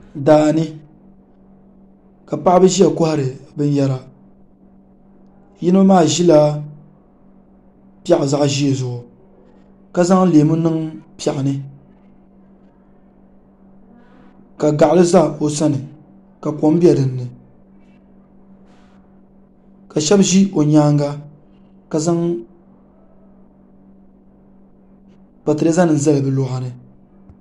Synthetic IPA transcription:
daː˨nɨ˦ | ka˨pa˦ʔbɨ˦ʒi˦a˨ko˦ha˦ɾɨ˨bɨ˦n˦jɛ˦la˨ | ji˦no˦maː˦˨ʒi˦la˦ | pɛ˦˨ʔza˦ʔʒi˦e˨zʊ˨ʔʊ˨ | ka˦za˦ŋ˦leː˨mʊ˦nɨ˦ŋpɛ˨ʔa˨nɨ˦ | ka˨ɡa˨ʔlɨ˦za˦o˨sa˦nɨ˨ | ka˨ko˨˦m˦bi˦ɛ˨dɨ˨nːɨ˨ | ka˨ʃɛ˦bʒi˦ʔo˨ɲaː˦ŋɡa˦ | ka˨za˦ŋ | pa˨tɨ˨ɾa˦za˦nɨ˨n˨zɛ˦lɨ˨bɨ˨lʊ˦ɣa˨nɨ˨

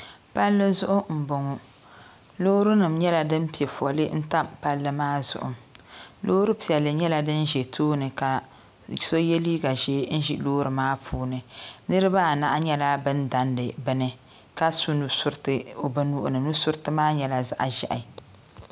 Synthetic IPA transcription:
pa˦lːɨ˦zʊ˦ʔʊ˦m̩˨bo˨ŋɔ˨ | loː˦ɾu˦nɨ˨mɲɛ˦la˨dɨ˦m˦pi˨ɛ˨fɔ˨lɨ˦n̩˦ta˦mpa˦lːɨ˦maː˦zʊ̰˨ʔʊ̰˨mloː˦ɾɨ˦pi˨ɛ˨lːɨ˨ɲɛ˦la˨dɨ˦n˦ʒɛ˨tʰoː˦nɨ˨ka˨ | so˦jɛ˦liː˦ɡa˨ʒeː˦n̩˦ʒi˨˦loː˦ɾɨ˨maː˦pʰuː˦nɨ˨nɨ˦ɾɨ˦ba˦˨na̰˨ʔa˦ɲɛ˦la˦bɨ˦nda˨ndɨ˨bɨ˦nɨ˦ | ka˦su˦nu˨sʊ˦ɾtɨ˦o˨ba˦nu˦ʔʊ̰˦˨nɨ˨nu˦sʊ˦ɾtɨ˦maː˦ɲɛ˨la˨za̰˨ʔa˨ʒɛ̰˨ʔa˨

